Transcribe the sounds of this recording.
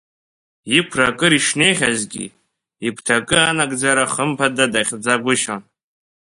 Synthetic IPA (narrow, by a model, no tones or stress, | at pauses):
ipʰrakʼɨɾiʂne̞jχʲazɡʲḭ | ikʷʰtʰakʼɨanaɡʼd͡zaɾaχəmpʰadadaχʲd͡zaɡʷʊʃan